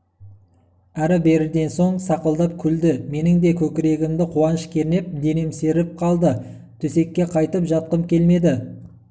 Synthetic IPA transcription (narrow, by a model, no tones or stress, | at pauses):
æɾɪbe̞ɾɪɾd̪e̞nso̞ɴsɑqəlˠd̪ɑp̚kʲʰʏld̪ɪme̞nɪŋd̪e̞kʲʰɵkʲɪɾe̞ɡʲɪmd̪ɪqʰuwɑnəʃkʲʰe̞ɾne̞p̚d̪e̞ne̞mse̞ɾɪp̚qʰɑlˠd̪ə | t̪ʰɵse̞kʲːe̞qʰɑjt̪əpʒɑt̪̚qəmkʲʰe̞lme̞d̪ɪ